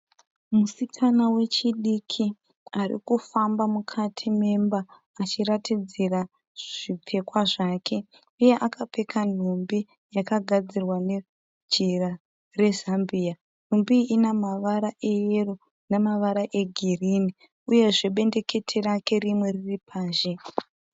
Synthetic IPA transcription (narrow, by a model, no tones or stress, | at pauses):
musikʰanawe̞t͡ʃiɗikʰi | aɾḭkufambamukʰatʰime̞mbaː | t͡ʃiratʰid͡zira | ʐ̥ip͡fʰe̞kwaʐaːkʰe̞ | uje̞ʔakape̞kʰan̤umbi | jakaɡʱad͡zirwane̞ | d͡ʒira | re̞zambiːa | n̤umbiːnamaʋaɾaʔe̞jero | nemaʋaɾaʔe̞ɡʱiriːni | uje̞ʐe̞ɓe̞nde̞ke̞tʰerake̞rimwe̞riripʰaːʒe̞